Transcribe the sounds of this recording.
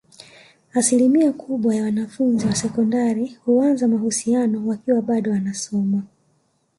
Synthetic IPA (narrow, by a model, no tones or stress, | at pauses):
asilimiakʰuɓwajawanafunziwasɛkɔndaɾihuanzamahusianɔwakiwaɓaɗɔwanasɔma